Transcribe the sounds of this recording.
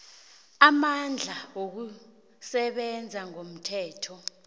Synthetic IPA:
amand͡ɮʱaok̬u | sɛɓɛnd͡zʱaŋom̩tʰɛːtʰɔ

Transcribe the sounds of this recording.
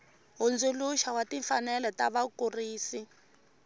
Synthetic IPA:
ɦund͡zuluʃawatiɱfanɛlɔtaβakuriːsi

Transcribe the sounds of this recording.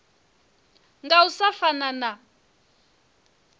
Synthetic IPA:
ŋɡausafanana

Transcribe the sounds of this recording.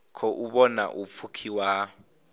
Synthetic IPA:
kʰɔʔuɓɔna̰ʔup̪fʰukʰiwa

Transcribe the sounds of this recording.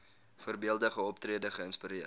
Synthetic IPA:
fərbiəlˠdəχəɔptriədəχəənspiɾiə

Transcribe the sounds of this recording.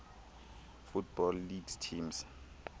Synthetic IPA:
futb̥ɔlːiɡstʰims

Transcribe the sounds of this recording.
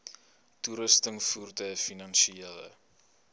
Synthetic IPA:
tuɾəstəŋfurdəfinɐnʃielə̰

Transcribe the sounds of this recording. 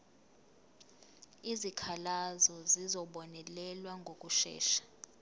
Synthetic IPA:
izikʰalazɔzizɔɓɔnɛlɛlwaŋɡʱok̬ʼuʃɛ̰ːʃḁ

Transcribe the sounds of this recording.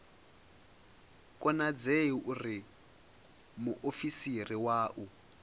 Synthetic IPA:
kʼɔnad͡zeʔuri | muʔofisiriwaːʔu

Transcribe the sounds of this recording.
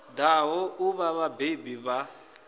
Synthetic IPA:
daɦɔuβaβabebiβa

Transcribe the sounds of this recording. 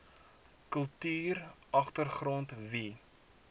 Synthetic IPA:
kəlˠtyːrʔɐχtərχrɔntvi

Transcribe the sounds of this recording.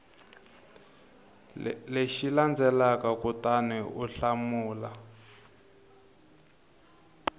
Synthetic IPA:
leʃiland͡zɛlakakutanɛʔuɬamuːla

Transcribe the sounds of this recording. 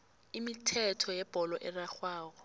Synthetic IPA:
imitʰɛtʰɔjɛb̥ʱɔlɔʔɛraxwaːkɔ

